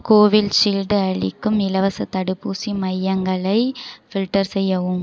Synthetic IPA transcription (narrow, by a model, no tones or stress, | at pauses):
koːʋɪlʃilɖɐɭɪ̰kːɯmɪlɐʋɐsɐt̪ɐɽɯpːuːsimɐjːɐŋɡɐɭɐɪfɪlʈɐɾsɛjːɐʋɯm